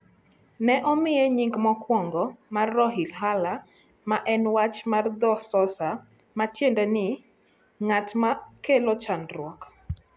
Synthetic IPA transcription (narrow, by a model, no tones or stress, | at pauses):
nɛʔɔmɪjɛɲiŋɡmɔkwɔŋɡɔmarːɔɦilɦala | maʔɛnwat͡ʃmard̪ɔsɔsa | matjendɛnɪ | ŋatmakelot͡ʃandɾwɔk